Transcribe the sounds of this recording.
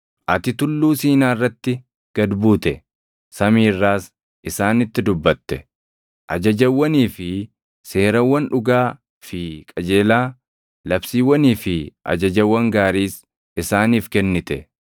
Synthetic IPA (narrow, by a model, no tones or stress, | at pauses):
ʔɐt̪ɪt̪ʊlːuːsiːnaːɪrːɐt̪ːɪ | ɡ̥ɐd̪buːt̪ɛ | sɐmiːrːaːs | ʔɪsaːnɪt̪ːɪd̪ʊbːɐt̪ːɛ | ʔɐd͡ʒɐd͡ʒɐwːɐniːfɪ | se̞ːɾɐwːɐnᶑʊɡaː | fɪkʼɐd͡ʒe̞ːlaː | lɐbsiːwːɐniːfɪʔɐ̰d͡ʒɐd͡ʒɐwːɐŋɡaːɾiːs | ɪsaːniːfkɛnːɪt̪ɛ